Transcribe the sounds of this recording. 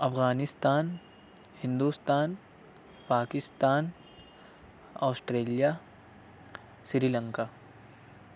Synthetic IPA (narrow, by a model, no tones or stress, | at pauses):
ɐfɣaːnɪst̪aːn | hɪ̃nd̪uːst̪aːn | paːkɪst̪aːn | ɔːsʈɾeːlija | sɾiːlə̃ŋkaː